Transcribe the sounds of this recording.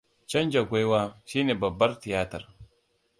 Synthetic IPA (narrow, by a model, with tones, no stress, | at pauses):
t͡ʃɐ˦nd͡ʒa˨ɡʷa˦jwaː˦ʃiː˦neː˨bɐ˨bːɐ˦ɾti˨jaː˦tɐ˨ɾ